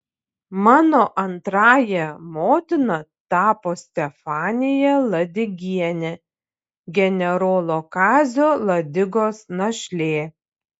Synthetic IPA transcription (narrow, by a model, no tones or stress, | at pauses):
mɑːnoːʔɐnt̪ɾɑːjɛmoːt̪ʲɪnɐt̪ɑːpoːsʲt̪ʲɛfɑːnʲɪjɛlˠɐd̪ʲɪɡʲiɛnʲɛ | ɡʲɛnʲɛɾoːlˠoːkɑːzʲoːlˠɐd̪ʲɪɡoːsnɐʃʲlʲeː